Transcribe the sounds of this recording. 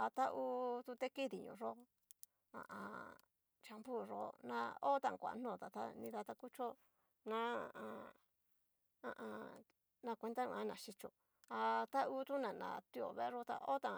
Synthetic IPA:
a˧t̪a˦ʔuː˦˧˦t̪u˧t̪e˦ki˦ði˨ɲṵ̃˨ʐo˦ | ã̰˨ʔã˧ | t͡ʃa˧mbu˦˨ʐo̰˦nã˧o˦t̪ã˧˨kʷa̰˨˧˦n̥nõ˦˨t̪a˨t̪a̰˦nĩ˧ða˧t̪a˧ku˦t͡ʃo˦ | nã˦a̰˨˧ʔã˧ | ã̰˧ʔã˧ | nã˧kʷe˧nd̪a˦ṵ̃˧ã˦nã˨ʃi˧t͡ʃo˧ | a˧t̪a˦u˦t̪u˦nã˨nã̰˧˨t̪i˦o̰˨βe˦˧˦ʐo˦t̪a̰˧o˦t̪ã˧˨

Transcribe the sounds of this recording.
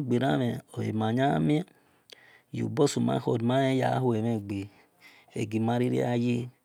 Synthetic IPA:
ɡ͡bi˨ɾa˦me˨o˨ḛ˨ma˨ɲa˦mi˦ | jṵ˨bo˦˨su˨ma̰˨˦ho˨dma˦e˦ja̰˨˦hu˦e˨me˦˨ɡ͡bi˨ | ḛ˨ɡi˨ma˦ɾi˦ɾḭ˦a˦ji˦

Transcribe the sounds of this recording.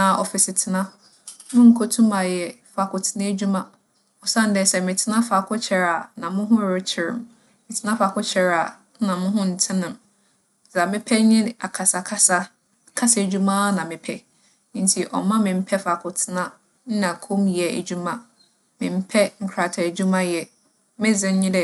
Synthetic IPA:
nã˨ɔ̰˨fɪ˨sɪ˨tʰɪ˨nã˦ | nʊ̃˦ŋ̩˨kʰo˦tʰũ˦ma˨jɛ˨fa˨kʊ˨tʰɪ˦nã˦e˦d͡ʑu˦mã˦˨ | ɔ˨sã˦n̩˨˦dɛ˨sɛ˦˨mɪ̃˨tʰɪ˦nã˦fa˨kʰʊ˦t͡ɕʰɛ˨ɾa˨nã˨mʊ̃˦ɦʊ̃˦˨ɾɪ˦t͡ɕʰɪ˨ɾɪ̰̃˨m | mɪ̃˨tʰɪ˦nã˦fa˨kʊ˦t͡ɕʰɛ˨ɾa˨˦ | nã˨mʊ̃˦ɦʊ̃˦n̩˨tʰɪ̃˦nɪ̃˨m | za˨mɪ̃˦pʰɛ˦ɲɪ̃˦n˨a˨kʰa˨sa˨kʰa˦sa˦ | kʰa˦sa˦˨d͡ʑu˦mã˦nã˨mɪ̃˨pʰɛ̃˦ | n̩˦tʰi˨ʔɔ̰˨mã˦mɪ̃˨m̩˦pʰɛ˦fa˨kʰʊ˨tʰɪ˦nã˦ | n̩˦nã˨kʰõ˦mjɛ˨æ̰˨d͡ʑu˦mã˦ | mɪ̃˨m̩˦pʰɛ˦ŋ̩˦kʰɾa˨tʰɛ˨e˨d͡ʑu˦mã˦jɛ˨ | mɪ̃˦zɪ̃˨˦ɲɪ̃˦lɛ˦

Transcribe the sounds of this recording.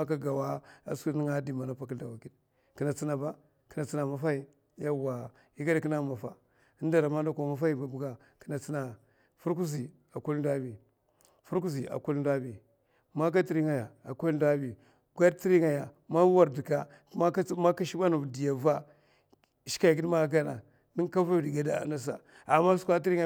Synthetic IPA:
a˦ka˦ɡa˨wa˦a̰˨sku˦ni˦ŋa˦di˨ma˨na˨pa˨kda˨wa˨ki˦d | ki˨na˨t͡si˦na˨ba˦ | ki˨˦na˨t͡si˦na˨ma˨fa˦i˦ | ja˦wa˨ | i˦ɡa˦ɾki˦na˦˨ma˨fa˨ | ə˦n˦da˨ɾa˨ma˦da˦ka˨ma˦fa˦i˦ba˨bu˨˦ɡa˨ | ki̥˦na˨t͡si˦na˨ | fu˦ɾk̬u˦zi˨ | a˨ku˦lda˦bi˨ | fu˦ɾku˦zi˨a̰˨ku˦lda˦bi˨ | ma˦k̬a˦ti˦ɾi˦ŋa˨ja˨a˨ku˦lda˦bi˨ | ɡa˦dti˦ɾi˦ŋa˨ja˨ | ma˦wa˨ɾdi˨ka˨˦ | a˦ma˦ka˦ʃi˦ba˦nu˨di˨ja˨va˦˨ | ʃi̥˦ka˦˨ɡi˦dma˦ɡa˦na̰˨ | ni˦ŋ˦ka˦va˦˨di˨ɡa˨da̰˨na˦s̬a˨ | a˨ma˦sʷa˦t̬i˦ɾi˦ŋa˨

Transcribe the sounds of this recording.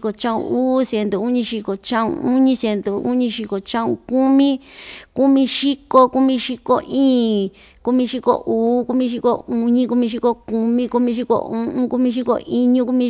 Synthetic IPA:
ko˨t͡ʃã˦ṵ̃˧uː˦sje˧nd̪o˨u˦ɲĩ˧ʃi˧ko˨t͡ʃã˦ṵ̃˧u˦ɲĩ˧se˧nd̪o˨u˦ɲĩ˧ʃi˧ko˨t͡ʃã˦ũ˧ku˦mĩ˦ku˦mĩ˧ʃi˦ko˧ku˦mĩ˧ʃi˧ko˧ʔĩː˦˨ | ku˦mĩ˧ʃi˧ko̰˦˧ʔuː˨˦ku˦mĩ˧ʃ̬i˧ko˧u˧ɲĩ˦ku˧mĩ˧ʃ̬i˧ko˧ku˧mĩ˦ku˧mĩ˧ʃ̬i˧ko̰˧ũ˧˦ʔũ˦ku˦mĩ˧ʃ̬i˦ko̰˧˨ʔi˦ɲũ˦ku˦mĩ˧

